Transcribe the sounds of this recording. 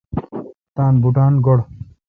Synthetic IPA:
t̪aːnbuʈaːnɡɔɽ

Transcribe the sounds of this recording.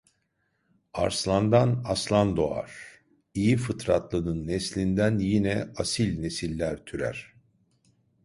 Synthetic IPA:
a̰ɾslˠand̪anaslˠand̪o̞a̰ɾ̥ | ijifɯt̪ʰɾat̪lˠɯnɯnːɛslʲind̪ænjinɛasilʲnesilʲːæɾt̪ʰyɾæ̰ɾ̥

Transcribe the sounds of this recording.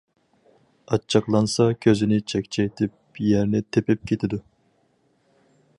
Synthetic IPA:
ɑt͡ʃʰːɑqlˠɑnsɑkʲʰøzɪnɪt͡ʃʰɛkʲt͡ʃʰɛjt̪ʰɪp̚jɛɾnɪt̪ʰepɪp̚kʲʰet̪ʰɪd̪u

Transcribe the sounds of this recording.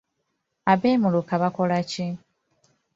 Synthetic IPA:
aβeːmulukaβakolaci

